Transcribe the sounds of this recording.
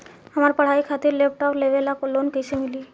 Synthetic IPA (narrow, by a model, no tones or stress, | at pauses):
amaɾpəɽ̤aikʰat̪iɾlep̚ʰʈɔplebelakolonkesʰemili